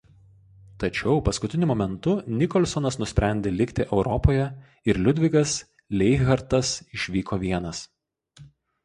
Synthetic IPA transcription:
t̪ɐt͡ʃʲɛʊpɐskʊt̪ʲɪnʲʊmɔːmʲɛnt̪ʊnʲɪkɔlʲsɔnɐsnʊsʲpʲɾʲæˑnʲd̪ʲeːlʲɪkʲt̪ʲɪʔɛʊɾɔpoːjɛ | ɪɾlʲʊd̪ʲʋʲɪɡɐs | lʲɛɪɣɐɾt̪ɐsɪʃʲʋʲiːkʰoːʋʲiɛnɐs

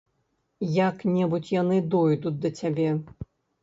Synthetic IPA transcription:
jaknʲɛbut͡sʲjanɨd̪ɔjd̪ut̚ʲd̪ɐt͡sʲabʲɛ

